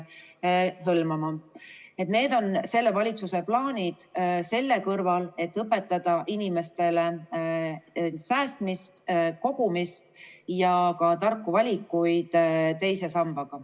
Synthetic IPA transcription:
ɦɤlmɑmɑe̞t̪ne̞ːd̪̥o̞nse̞lːe̞vɑlʲit̪suse̞plɑːnʲid̪̥se̞lːe̞kɤrvɑle̞t̪ːɤpːˑe̞t̪ˑːɑd̪̥ɑʔinime̞st̪e̞le | sæːst̪mist̪ko̞ɡ̥umist̪jɑkɑt̪ɑrkːuvɑlʲikːˑujd̪̥t̪e̞jse̞sɑmb̥ɑɡ̥ɑ

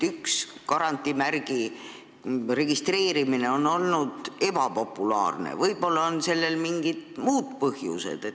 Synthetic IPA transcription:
ykskɑɾɑnt̪ːˑimærɡ̥i | re̞ɡ̥ist̪re̞ːɾimine̞o̞no̞lnud̪̥e̞bɑpo̞pːˑulɑ̰ːrnḛvɤjb̥o̞lːɑonse̞lːe̞lmiŋɡid̪̥muːd̪̥̚pɤhjṵse̞̰d̪̥e

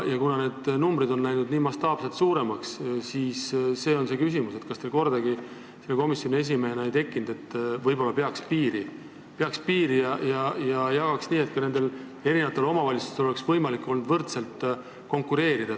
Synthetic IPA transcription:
jɑkunɑne̞ːd̪̥numbɾid̪o̞nːæjnud̪niːmɑst̪ɑːb̥selt̪suːɾe̞mɑkssiːsse̞ːo̞nse̞ːkys̬imuse̞t̪kɑst̪elko̞rd̪ɑɡi | selːeko̞misjonʲie̞s̬ʲimeɦeneejt̪e̞kːˑind̪e̞t̪ːˑvɤjbo̞lːɑpeɑkspiːɾi | peɑkspiːɾijɑjɑjɑjɑɡ̥ɑksniːe̞t̪̚kɑne̞nd̪̥e̞l | e̞ɾinevɑt̪ːeo̞mɑvɑlʲit̪su̥st̪eo̞le̞ksvɤjmɑlikːˑo̞lnud̪vɤrt̪se̞lt̪ | ko̞ŋkːˑuɾe̞ːɾid̪ɑ

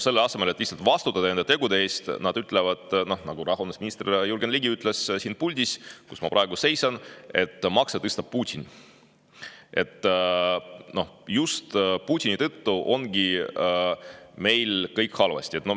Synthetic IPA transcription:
se̞lːeɑse̞melt̪ːˑlihtsɑlt̪vɑst̪ut̪ːˑɑd̪ɑne̞nd̪et̪e̞ɡud̪ee̞ːst̪nɑd̪̥yt̪ːˑlevɑd̪̥no̞hnɑɡ̥uɾɑɦonesminist̪rjurɡenliɡiyt̪ːˑlessiːnpulʲd̪̥ʲiskusmɑpɾʔɑe̞ɡ̥use̞jsɑne̞t̪ːmɑkset̪ɤst̪ɑb̥̚puːt̪ʲin | e̞t̪ː | no̞just̪put̪ʲinit̪ɤt̪ːuʔo̞nɡ̥i | me̞jlkɤjkhɑlvɑ̰sʲt̪ʲie̞t̪no

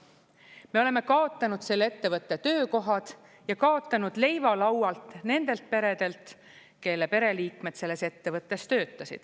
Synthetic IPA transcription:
me̞o̞le̞me̞kɑo̞t̪ˑːɑnud̪̥se̞lːe̞t̪ːe̞vɤt̪ːˑe̞t̪ø̞ːko̞ɦɑd̪̥ | jɑkɑo̞t̪ːˑɑnud̪̥le̞jvɑlɑwɑlt̪ne̞nd̪̥e̞lt̪̚pe̞ɾe̞d̪e̞lt̪ˑ | ke̞lːepe̞ɾe̞liːkme̞d̪se̞lːe̞se̞t̪ːe̞vɤt̪ːˑe̞st̪øːt̪ːˑɑsḭd̪̥

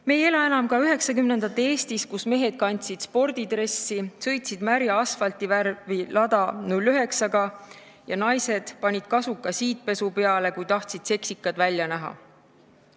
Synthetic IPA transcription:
meje̞lɑenɑmkɑyɦe̞ksɑkymne̞nd̪̥ɑt̪ːˑe̞ːst̪iskusme̞ɦe̞d̪̥̚kɑnʲt̪sid̪̥spo̞rd̪̥id̪̥ɾe̞sːisɤ̞jt̪sid̪̥mæɾjɑɑsfɑlt̪ˑiværvilɑd̪̥ɑnulːyɦe̞ksɑɡ̥ɑ | jɑnɑjse̞d̪̥pɑnʲid̪̥kɑsukːˑɑsiːt̪̚pe̞supe̞ɑle̞kujt̪ɑht̪sid̪̥se̞ksikːˑɑd̪vælʲjɑnæɦɑ̰

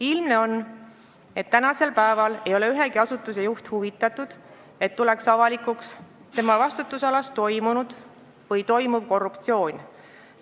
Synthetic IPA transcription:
ilmne̞o̞nː | e̞t̪ːænɑse̞lpæevɑle̞jo̞le̞yɦe̞ɡiɑsut̪ˑːuse̞juht̪huvit̪ːˑɑt̪ˑud̪̥ | e̞t̪ːule̞ksɑvɑlikuks | t̪e̞mɑvɑst̪ut̪ːˑusɑlɑst̪o̞jmunud̪̥ | vɤjt̪o̞jmub̥ko̞rːupt̪sio̞ːnʲ

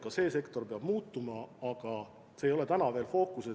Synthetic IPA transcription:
kɑse̞ːse̞kt̪o̞rpeɑb̥muːt̪ːˑumɑɑɡ̥ɑ | se̞ːjo̞let̪ænɑve̞ːlfo̞ːkˑuse

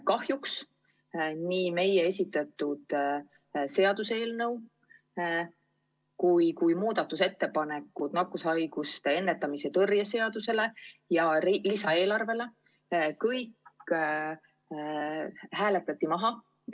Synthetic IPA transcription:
kɑhjuks | niːme̞jee̞sʲit̪ːˑɑt̪ːˑud̪̥ | se̞ɑd̪̥use̞ːlnɤ̞w | kujkujmuːd̪̥ɑt̪ːˑuse̞t̪ːe̞pɑne̞kːˑud̪̥nɑkːusɑjɡ̥ust̪e̞e̞nːe̞t̪ːˑɑmise̞t̪ɤrjɑse̞ɑd̪̥use̞le̞jɑlisɑe̞ːlɑrve̞le̞ | kɤjk | hæːle̞t̪ːˑɑt̪ʲːimɑɦɑ

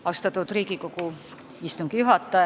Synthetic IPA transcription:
ɑwst̪ɑt̪ˑud̪̥riːɡiko̞ku | ist̪uŋɡ̥ijuɦɑt̪ːˑɑ

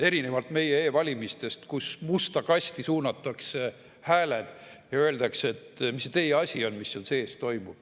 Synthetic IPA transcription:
e̞ɾine̞vɑlt̪me̞jeeːvɑlʲimist̪e̞st̪kusmust̪ɑkɑsʲt̪isuːnɑt̪ːˑɑkse̞ | hæːled̪̥jɑøe̞ld̪̥ɑkse̞t̪ːmisːet̪e̞jeɑsʲio̞nmisːonse̞ːst̪o̞jmu̥

